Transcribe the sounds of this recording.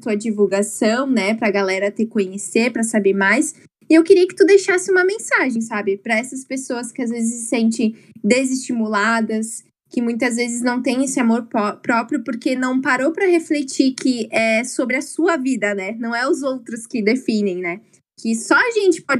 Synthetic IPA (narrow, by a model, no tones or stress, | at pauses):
t̪uɐd͡ʒivuwɡasɐ̃w̃nɛpɾɐɡalɛɾɐt̪ekõɲeseɾpɾɐsabeɾmajs | ɪewkɪɾiɐkɪ̥t̪ud̪ejʃasɪũmɐmẽsaʒẽj̃sabɪpɾɐɛsɐspesoɐskɪazvezɪsɪ̥sẽnt͡ʃẽd̪ezɪst͡ʃimulad̪ɐs | kɪmũj̃t̪ɐzvezɪznɐ̃w̃t̪ẽj̃esɪamoɾpɔpɾɔpɾjʊpoɾkenɐ̃w̃paɾowpɾɐheflet͡ʃikʰɪɛsobɾɪɐsuɐvid̪ɐnɛnɐ̃w̃ɛʊzowt̪ɾʊskɪd̪efĩnẽj̃nɛ | kɪsɔɐʒẽnt͡ʃɪ̥pɔ